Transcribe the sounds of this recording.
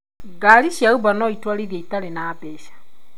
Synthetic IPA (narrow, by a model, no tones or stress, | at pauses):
ɡaliʃaubanoitwaliɾaitalenaːbeʃḁ